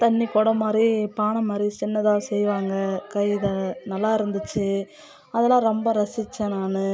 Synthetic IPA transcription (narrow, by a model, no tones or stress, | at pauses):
t̪ɐnːikɔːɽɐmaːd̪ɾipaːɳɐmaːd̪ɾit͡ʃɪnːɐðaːsɛjʋaːŋɡɐkɐjɪðɐnɐlːaːɪɾɯnd̪ɯt͡ʃːɯ | ɐðɐlãːɾɔmbɐɾɐsɪt͡ʃːɛ̃naːnɯ